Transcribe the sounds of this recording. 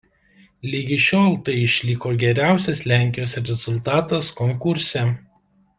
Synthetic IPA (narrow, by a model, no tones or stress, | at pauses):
lʲiɡʲɪʃʲoːlˠt̪ɐɪɪʃʲlʲɪkoːɡʲɛɾʲæˑʊsʲɛslʲæːˑŋʲkʲɪjoːsɾʲɛzʊlˠt̪ɑːt̪ɐskɔŋkʊɾʲsʲɛ